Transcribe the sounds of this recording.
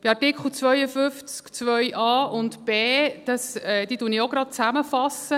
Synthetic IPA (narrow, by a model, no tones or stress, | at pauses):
b̥iɑɾtɪkχl̩ˠt͡sʋœjəfʏft͡skt͡sʋœʏʔɑːʊndb̥eːd̥ɑsɛːd̥iːtunɪoɡɾɑd̥̚t͡sæməfɑsə